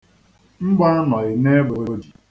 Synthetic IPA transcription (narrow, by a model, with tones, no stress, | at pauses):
m̩˦ɡ͡ba˦nɔ˨ɣɪ˨ne˦bo˨ɾo˦di˨